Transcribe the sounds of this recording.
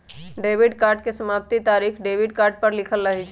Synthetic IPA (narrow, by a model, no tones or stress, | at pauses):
ɖebiɖkaɾɖ̚kesəmap̚t̪it̪aɾikʰɖebiɖkaɾɖ̚pəɾlikʰəlːəɦit͡ʃʰ